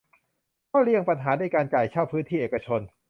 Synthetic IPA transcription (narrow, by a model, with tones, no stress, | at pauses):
kɔː˥˩ɾi˥˩əŋpa˧nɦaː˩˦naː˧jkaː˧nka˨˩jt͡ɕʰaː˥˩wpʰɯː˦˥nt̪ʰiː˥˩ʔeː˨˩ka˧t͡ɕʰo˧n